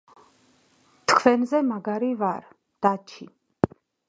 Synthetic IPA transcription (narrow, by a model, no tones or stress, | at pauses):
t̪ʰkʰvɛnzɛmaɡaɾivaɾ | d̪̥at͡ʃʰi